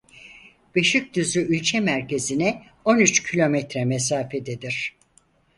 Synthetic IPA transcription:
b̥eʃyc̚ʲd̪yzyʔylʲcʰɛmæɾce̞zinɛ | o̞nyt͡ʃcʰilʲo̞mɛt̪ɾɛmesaːfed̪ed̪iɾ̥

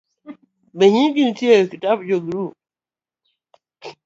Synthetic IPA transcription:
beɦĩɡintiekitabd͡ʒoɡɾu

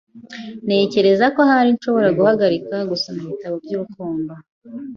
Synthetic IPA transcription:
ne̞ːce̞ɾe̞zako̞haɾinʃo̞βo̞ɾaɡuhaɡaɾikaɡusanuβitaβobɟuːɾukuːndo

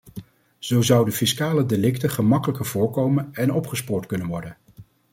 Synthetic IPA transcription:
z̥owzʌwdəfɪskaːlədelɪktəχəmɑkələkəɹv̥ʊːɹkowmənɛnɔpχəspʊːɹtkɵnənʋɔɹdən

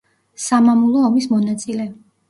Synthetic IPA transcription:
samamulˠɔːmismɔnat̪sʼilɛ

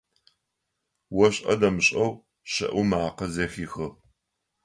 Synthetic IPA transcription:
wɔɕʼɐ̰dɐmɨɕʼɐw | ɕɐ̰ʔumaːqɐzɐːxiːxɨ

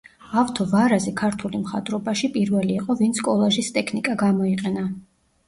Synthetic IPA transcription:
aft̪ʰɔvaɾazɛkʰaɾt̪ʰulimχa̰d̪ʼɾɔbaʃipʼiɾvɛliːqʼɔvint̪sʰkʼɔlˠɛʒist̪ʼɛkʰnikʼaɡamɔiqʼɛna

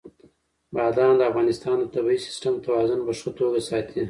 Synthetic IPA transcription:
bɑd̪ɑnd̪əafɣɑnɪst̪ɑnd̪ət̪abiisɪ̥sʈamt̪awɑzʊnpəʂət̪oɡasɑt̪ʰi

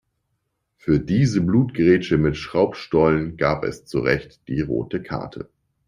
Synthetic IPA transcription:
fyːɐdiːzəbluːtɡ̥əʁeːt͡ʃəmɪtʃʁ̥aʊpʃtɔlənɡaːpɛ̰st͡suʁɛçtd̥iːʁo̰ːtəkʰa̰ɐtʰə̰

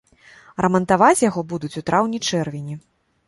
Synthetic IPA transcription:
rɐmɐnt̪avat͡sʲjaɣɔbud̪ut͡sʲut̪ɾʔawnʲit͡ʂɛrvʲinʲi

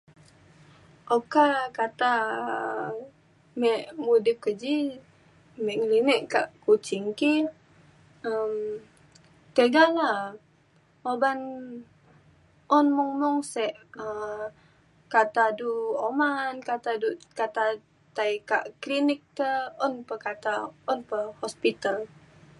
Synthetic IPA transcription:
ʔokakat̪a | mɛʔmudip̚kəd͡ʒi | mɛʔŋlinɛʔkaʔkut͡ʃɪŋki | əm | t̪əɡala | oban | ɔnmɔŋmɔŋsɛʔə | kat̪aduomankat̪adukat̪a | t̪ajka̰ʔklinɪk̚t̪əɔnpəkat̪aɔnpəhɔspit̪al

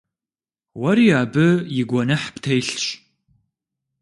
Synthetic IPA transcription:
wɐɾiaːbɨjɪɡʷɔnɨħptʰejɬɕ

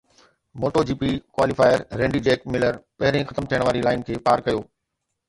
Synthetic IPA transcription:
moːʈod͡ʑiːpikwaːlifaːɪəɾːẽːɳɖiɖeːk̚mɪləɾpɐɦɪɾẽxɐt̪əmt̪ʰijəɽ̃ʋaːɾilaːɪnkʰeːpaːɾkɐjoː

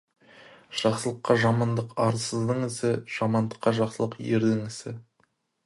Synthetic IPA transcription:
ʒ̥ɑqsəlˠəqːɑʒɑmɑnd̪əqɑɾəzd̪əɴɪsɪʒ̥ɑmɑnd̪əqːɑʒɑqsəlˠəqjeɾd̪ɪŋɪsɪ

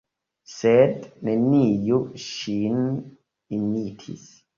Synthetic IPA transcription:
sednenːiːjuʃin | inːiːt̪ʰḭs

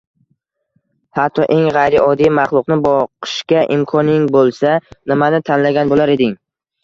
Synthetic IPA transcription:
hat̪ʰːɒʔe̞ŋʁajɾɪʔɒd̪ijmaχlˠʊqnɪbɒqʰɨ̥ʃkʲaʔɪmkʰɒnɪŋbolˠsanɪmanɪt̪ʰanlaɡʲanbolaɾe̞d̪ɪŋ

